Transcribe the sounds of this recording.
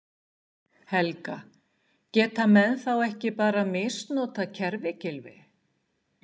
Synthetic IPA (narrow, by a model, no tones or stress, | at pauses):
hɛlka | cɛːt̪amɛðθawɛhcɪpaːɾamɪːst̪noːt̪acʰɛɾvɪcɪlvɪ̰